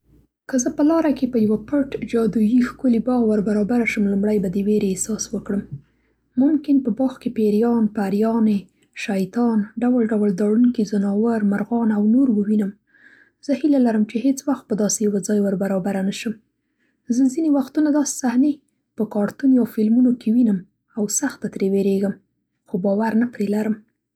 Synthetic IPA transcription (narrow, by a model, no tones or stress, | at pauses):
kəzəpəlɑɾakepəjawapəʈd͡ʒɑd̪ujixkulibɑɣwəɾbaɾɑbaɾaʃəmlumɽajbad̪əweɾeesɑswəkɽəmː | ʊmkɪnpəbɑxkepeɾijɑnpaɾjɑne | ʃajt̪ɑnɖawalɖawəld̪ɑɽunkizənɑwaɾmaɾɣɑnawnoɾwəwinəm | z̥əhilalaɾəmt͡ʃehet͡swaxt̪̚pəd̪ɑsejawad͡zɑjwəɾbaɾɑbaɾanaʃəm | zəzinewaxt̪unad̪ɑse̥sahne | pəkɑɾt̪unawfɪlmunokewinəm | awsaxt̪at̪ɾeweɾeɡəm | xobɑwaɾnapɾelaɾəm